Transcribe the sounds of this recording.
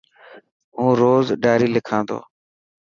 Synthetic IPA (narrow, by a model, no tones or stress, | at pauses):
ɦũːɾoːzɖaːɾiːlɪkʰãːnd̪o̰ː